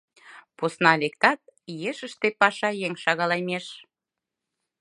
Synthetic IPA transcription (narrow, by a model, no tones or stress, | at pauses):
posnɑlekt̪ɑt̪̚jeʃə̆ʃt̪epɑʃɑjeŋʃɑɣɑlɑjmeʃ